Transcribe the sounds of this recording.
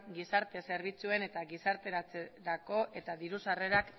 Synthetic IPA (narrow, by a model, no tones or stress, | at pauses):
ɡisaɾt̪e̞se̞ɾβ̞it͡sue̞ne̞t̪aɣisaɾt̪e̞ɾat͡seɾako̞ʔe̞t̪aðiɾusare̞ɾak